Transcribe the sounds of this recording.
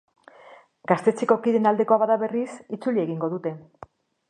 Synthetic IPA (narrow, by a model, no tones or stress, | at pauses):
ɡ̥ast̪e̞t͡seko̞kiðe̞nald̪e̞ko̞aβaðaβe̞risit͡sulie̞ɣiŋɡo̞ðut̪e̞